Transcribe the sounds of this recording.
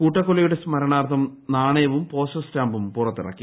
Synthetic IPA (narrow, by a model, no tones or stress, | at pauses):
kuːʈːɐkːolɐjuɽe̞smɐɾɐɳaːrt̪ʰːɐmnaːɳɐjɐʋumpo̞ːsɐstaːmbumpurɐt̪ːḭrɐ̰kːi